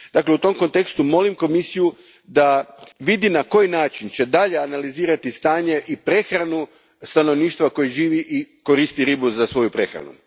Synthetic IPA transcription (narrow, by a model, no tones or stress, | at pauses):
d̪akleut̪o̞mko̞nt̪e̞kst̪umo̞limko̞misiju | d̪aʋid̪inako̞jinaːt͡ʃint͡ɕe̞d̪aʎe̞analiziːɾat̪ist̪aːɲe̞ʔipɾe̞xɾanu | st̪ano̞ʋniːʃt̪ʋako̞jeʒiːʋiʔiko̞ɾiːst̪iɾibuzasʋo̞jupɾe̞xɾa̰nṵ